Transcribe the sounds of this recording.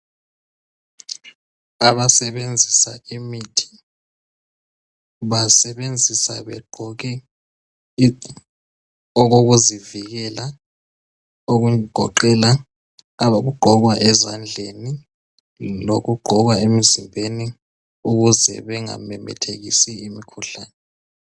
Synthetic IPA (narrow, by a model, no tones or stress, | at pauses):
aβasɛβend͡zʱisaimitʰi̥ | βasɛβend͡zʱisaβɛɡ͡ǃʱɔɣɛ | ɔɣoɣuziviɣɛla | oɣuɡ̥ʱɔ̰ǃɛla | aβaɣuɡ͡ǃʱɔɣwaʔɛzand͡ɮʱeni | loɣuɡ͡ǃʱɔɣwaemizimbʱeni | uɣuzɛ̰βɛŋa̰mɛmɛ̰tʰeɣisiimikʰuɬaːnɛ